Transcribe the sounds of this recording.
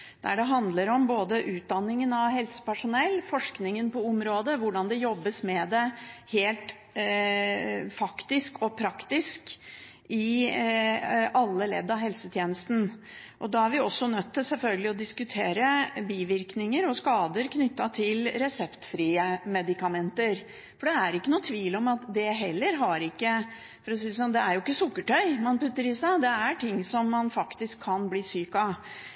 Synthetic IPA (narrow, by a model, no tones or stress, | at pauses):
d̪̥æ̰ɖɛɦɑnd̪ləɾɔmboːd̪əʔʉːt̪̚d̪ɑnːɪŋənɑʋhɛlsə̥pæʂʊnɛlːfɔʂknɪŋənpɔʊmɾoːd̪əʋʊɖɑnd̪ɛjɔbːəsmɛd̪ɛheːlt̪ | fɑkt̪ɪskʰɔpʰɾɑkt̪ɪsk | ɪ | ɑlːəlɛ̰d̪ːɑɦɛlsət̪ʰjeːnəst̪n̩ | ʔɔd̪ɑːæɾʋɪɔsːɔnœt̪ʰːɪlsɛlfœlɡəlɪɔd̪ɪskʉt̪ʰeːɾəbiːʋɪɾknɪŋəɾɔskɑːd̪əɾkʰnʏt̪ːɑt̪ʰɪlɾɛsɛpt̪fɾiːəmɛd̪ɪkɑmɛnt̪əɾ | fɔɖɛæɾɪkːənuːt̪ʰʋiːlɔmɑt̪d̪ɛɦɛlːəɾɦɑɾɪkːə | fɔɾɔsiːəs̬ɔnd̪ɛæɾjʊɪkːəsʊkːəʈœʏmɑnpʉt̪ːəɾɪsæd̪ɛæʈʰɪŋːsɔmːɑnfɑkt̪ɪskʰːɑnbliːsyːkɑ